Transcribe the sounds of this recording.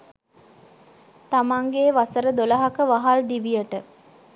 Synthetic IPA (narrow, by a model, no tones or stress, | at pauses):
t̪amaŋɡeːʋasəɾəd̪oləɦakəʋaɦald̪iʋijəʈə